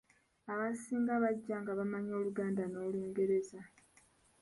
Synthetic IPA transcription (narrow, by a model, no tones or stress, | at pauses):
aβasiːŋɡaβaɟːaːŋɡaβamaɲo̞ːluɡaːndanoːliːŋɡe̞ɾe̞za